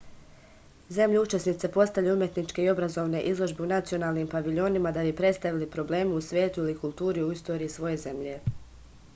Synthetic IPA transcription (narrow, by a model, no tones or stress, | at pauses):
ze̞mʎuut͡ʃe̞snit̪se̞po̞st̪avjeumje̞t̪nit͡ʃke̞io̞bɾazo̞ːʋne̞ʔizlˠo̞ʒbeunat̪sio̞naːlˠniːmpaʋiʎo̞nimad̪abipɾe̞t̪st̪aʋilipɾo̞ble̞ːmiusʋʲjeːt̪uilikulˠt̪uːɾiuist̪o̞ːɾiːsʋo̞je̞ze̞mʎe̞